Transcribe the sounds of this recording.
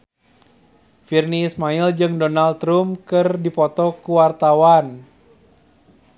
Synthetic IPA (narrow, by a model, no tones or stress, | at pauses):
firniːsmaild͡ʒɨŋdɔnalt̪ɾumkɨrdipɔt̪ɔkuwart̪awan